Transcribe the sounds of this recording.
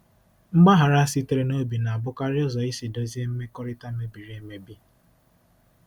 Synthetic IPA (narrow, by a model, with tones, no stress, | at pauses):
ŋ͡m̩˦ɡ͡ba˦ɦa˨ɾa˦si˦te˦ɾe˦no˦bi˨na˨a˨bʊ˦ka˦ɾɪ˦ɔ˦zɔ˨i˦si˨do˦zi˦e˦m̩˦me˦kɔ˦ɾɪ˦ta˦me˦bi˨ɾe˦me˦bi˦